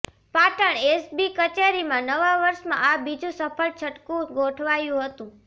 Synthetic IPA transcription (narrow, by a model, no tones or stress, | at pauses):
paʈəɳesbikət͡ʃeɾimãnəʋaʋəɾʃmãʔabid͡ʒũsəpʰəlt͡ʃʰəʈkũɡoʈʰʋajũɦət̪ũ